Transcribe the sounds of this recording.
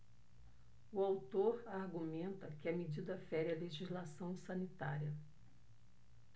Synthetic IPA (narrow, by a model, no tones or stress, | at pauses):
ʊawt̪oɾaɾɡumẽnt̪ɐkɪɐmed͡ʒid̪ɐfɛɾiɐleʒizlasɐ̃w̃sɐnit̪aɾiɐ